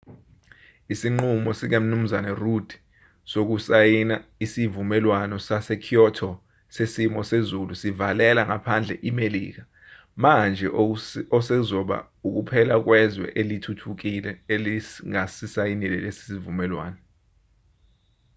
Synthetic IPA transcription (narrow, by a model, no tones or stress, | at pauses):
isiŋ͡ǃumɔsik̬em̩num̩zanarud̥ʱi̥ | sok̬usajinaisivumɛlwanɔsasɛkʰiɔtʰɔ | sesimɔsezulusivalɛlaŋapʰand͡ɮʱɛ̰ʔimelḭːk̬a | mand͡ʒʱɛɔsɛzɔɓa̰ | uk̬upʰɛlak̬wɛzwɛ̰ʔelitʰutʰuk̬ilɛeliŋasisajinilɛ̰lesi̥sivumɛlwa̰ːnɔ